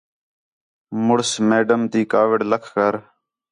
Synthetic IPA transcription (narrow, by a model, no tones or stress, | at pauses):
mʊɽsmeːɖəmt̪iːkaːʋɪɖləkʰkəɾ